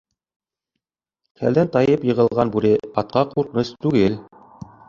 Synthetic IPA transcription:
kʰæ̰ld̪ænt̪ɑjɤpjɤ̆ʁɤ̆lˠʁɑnbuɾɘɑt̪̚qɑquɾqnɤst̪ʉɡɘl

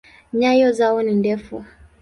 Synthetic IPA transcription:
ɲajɔzaɔnindɛfu

